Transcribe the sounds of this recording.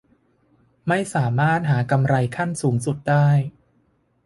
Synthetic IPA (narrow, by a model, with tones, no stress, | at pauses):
ma˥˩jsaː˩˦maː˥˩t̪̚ɦaː˩˦ka˧mɾa˧jkʰa˥˩nsuː˩˦ŋsu˨˩t̪̚daː˥˩j